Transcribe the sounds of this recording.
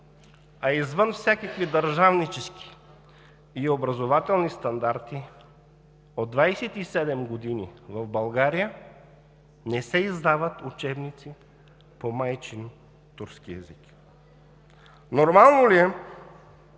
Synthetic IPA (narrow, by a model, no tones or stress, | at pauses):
aizvənfsʲjakəkvid̪əɾʒavnit͡ʃɛski̥ | iobɾɐzovat̪ɛlˠnist̪ɐnd̪aɾt̪i | od̪ːvajsɛt̪isɛd̪ɛmɡod̪inḭvɐvbɐlˠɡaɾijə | nɛsɛizd̪avət̪ut͡ʃɛbnit̪si | pomajt͡ʃin | t̪uɾskiɛ̰zik | noɾmalˠnoliɛ